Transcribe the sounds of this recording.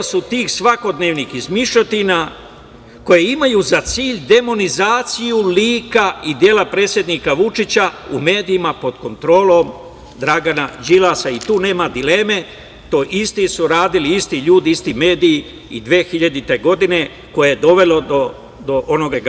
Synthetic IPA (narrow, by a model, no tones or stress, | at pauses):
sut̪iːxsʋako̞d̪ne̞ːʋnixizmiʃot̪ina | ko̞jeimajuzat̪siːʎd̪e̞mo̞nizaːt̪sijuliːkaid̪je̞ːlapɾe̞ːt̪sje̞d̪niːkaʋut͡ʃit͡ɕaume̞ːd̪iːmapo̞d̪ko̞nt̪ɾo̞ːlo̞m | d̪ɾaɡanad͡ʒilasait̪uːne̞ːmad̪ile̞ːme̞ | t̪o̞ʔist̪isuɾaːd̪iliist̪iʎuːd̪iist̪ime̞ːd̪iː | id̪ʋeːxiʎad̪it̪e̞ɡo̞d̪ine̞ | ko̞jejed̪o̞ʋe̞lo̞d̪o | d̪o̞ʔo̞no̞ɡaɡ